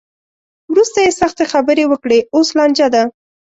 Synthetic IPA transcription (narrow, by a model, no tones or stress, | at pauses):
wɾust̪ajesaxt̪exabəɾewəkɽeoslɑnd͡ʒad̪a